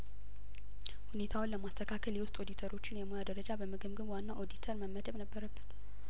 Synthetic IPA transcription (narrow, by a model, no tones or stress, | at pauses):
hune̞t̪ʰawʊnləmast̪ʰəkʰakʰəljɛwʊst̪ʼo̞d̪it̪ʰəɾo̞t͡ʃːɪnjɛmojad̪əɾəd͡ʒabəmɨɡɨmɡəβwanːaʔo̞d̪it̪ʰəɾməmːəd̪əβnəbːəɾəbːət̪